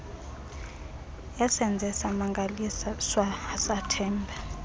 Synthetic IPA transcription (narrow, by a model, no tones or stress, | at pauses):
jasɛnd͡zʱɛsamaŋɡʱalisaswaːsatʰɛːmbʱa